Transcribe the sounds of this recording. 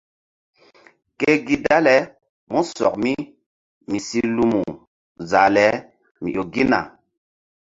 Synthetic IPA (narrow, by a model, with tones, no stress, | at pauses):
ke˦ɡi˦da˦lɛ˦ | mu˦sɔ̰˨kmi˦ | mi˨si˦lu˦mu˨ | za˨lɛ˨˦ | mḭ˨ʔo˨ɡi˦na̰˨